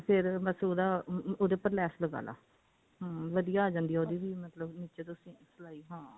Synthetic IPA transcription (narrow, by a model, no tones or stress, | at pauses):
pʰɪɾməsuːd̪aːoːd̪eːpəɾlɛːsləɡa̰ːla̰ː | ɦãːʋəd̪ijaːaːd͡ʒãːnd̪iːaoːd̪iːʋiːmət̪ləbniːt͡ʃeːt̪̬ʊsĩːsəlaːiːɦãː